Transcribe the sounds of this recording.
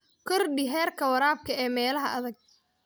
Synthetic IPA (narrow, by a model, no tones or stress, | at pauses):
kʰɔrɖɪɦɛːrkʰɐwɐɾaːb̚kʰɐɛːmɛːlɐɦɐʔɐðɐɡ̚